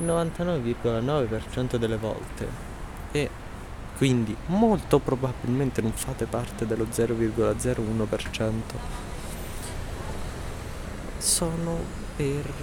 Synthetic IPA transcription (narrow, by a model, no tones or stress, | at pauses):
ilnːovant̪anɔːvevirɡolanɔːvepert͡ʃɛnt̪od̪elːevɔ̰lt̪ḛ | e | kːwind̪imolt̪opɾobabilment̪enoɱfaːt̪epart̪ed̪elod̪zɛːɾovirɡolad̪zɛːɾounopert͡ʃɛnt̪o | sɔːno | per